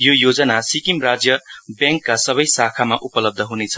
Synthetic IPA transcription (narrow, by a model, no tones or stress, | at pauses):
jojod͡zʌnasikimrad͡zjʌbjãŋkːasʌβʌjsakʰamaʔupʌlʌb̚d̪ʱʌɦunet͡sʰʌ̥